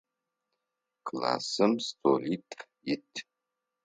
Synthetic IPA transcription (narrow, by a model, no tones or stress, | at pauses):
kʰla̰ːsɨmstʰolitʰʼjɪtʰ